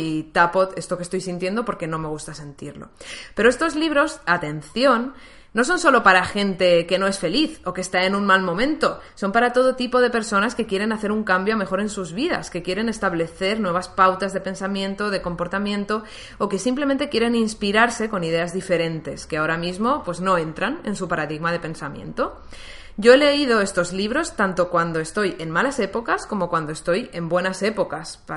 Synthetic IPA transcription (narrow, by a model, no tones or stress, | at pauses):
it̪apo̞t̪e̞st̪o̞kest̪ojsint̪jend̪o̞po̞ɾke̞nõ̞me̞ɣ̞ust̪ase̞nt̪iɾlo̞̰pe̞ɾoe̞st̪o̞zliβ̞ɾo̞sat̪e̞nθjo̞nː | o̞s̬o̞nso̞lo̞paɾaxe̞nt̪e̞ke̞no̞e̞sfe̞liθokeːst̪ae̞nunmalmõ̞mẽ̞nt̪o̞so̞mpaɾat̪o̞ð̞o̞t̪ipo̞ð̞e̞pe̞ɾso̞naske̞kjeɾe̞naθe̞ɾuŋkambjoame̞xo̞ɾe̞nsuzβiða̰ske̞kje̞ɾe̞ne̞st̪aβle̞θe̞ɾnwe̞β̞aspawt̪azðe̞pe̞nsamjẽ̞nt̪oðe̞ko̞mpo̞ɾt̪amjẽ̞nt̪o̞ | oke̞simple̞ment̪ekje̞ɾe̞ninspiɾaɾse̞ko̞nið̞e̞azðife̞ɾe̞nt̪e̞skeao̞ɾamizmo̞pwe̞zno̞e̞nt̪ɾane̞̰nsupaɾaðiɣmað̞e̞pẽ̞nsamje̞̰nt̪o̞ | ɟ͡ʝo̞e̞le̞iðo̞e̞st̪o̞zliβ̞ɾo̞st̪ant̪o̞kwand̪o̞est̪o̞je̞nmalase̞po̞kasko̞mo̞kwand̪oest̪o̞je̞mbwe̞nase̞po̞kasp